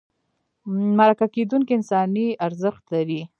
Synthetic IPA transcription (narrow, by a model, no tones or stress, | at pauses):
maɾakaked̪uŋkiɪnsɑniaɾzəxt̪laɾi